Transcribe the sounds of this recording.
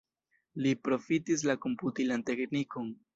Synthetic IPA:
lipɾo̞fit̪is̬lakomput̪ilant̪e̞knikon

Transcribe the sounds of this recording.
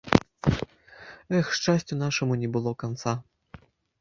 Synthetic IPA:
ɛxʂt͡ʂasʲt͡sʲunaʂɐmunʲɛbɨlˠɔkant̪sa

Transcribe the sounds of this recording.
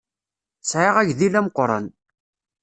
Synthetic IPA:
sʕeʁæʝðilæməqːɾˤɑ̰n

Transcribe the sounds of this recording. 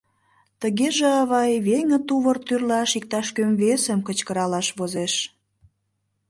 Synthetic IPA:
t̪əɣeʒĕɑβɑjβeŋə̆t̪uβərt̪yrlɑʃik̚t̪ɑʃkømvesəmkət͡ɕkəɾɑlɑʃβozeʃ

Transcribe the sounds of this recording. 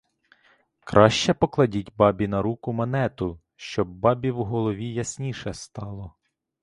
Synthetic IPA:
kɾʔɑʃt͡ʃɛpɔklˠɐdʲitʲbɑbʲinɐɾukʊmɐnɛt̪ʊ | ʃt͡ʃɔbːɑbʲiwɦɔlˠɔʋʲijɐsʲnʲiʃɛst̪ɑlˠɔ

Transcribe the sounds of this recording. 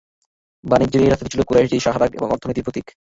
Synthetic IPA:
banid͡ʑiɾiɾast̪ʰt̪t͡ɕʰilokuɾaeʃɖiʃaɦaɾaɡḛbo̰ŋɔ̰ɾt̪ʰonojt̪ipot̪ik

